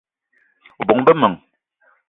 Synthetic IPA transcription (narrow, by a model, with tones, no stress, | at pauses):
bɔ˨ŋbə˦mə˨ŋ